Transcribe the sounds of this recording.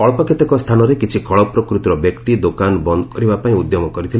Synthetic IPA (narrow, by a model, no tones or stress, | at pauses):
ɔɭpɔkʰet̪ekɔst̪ʰanɔɾekit͡ʃʰikʰɔɭɔpɾɔkɾut̪iɾɔbjekt̪id̪okanbɔnd̪kɔɾibapaĩud̪jɔmɔkɔɾit̪ʰil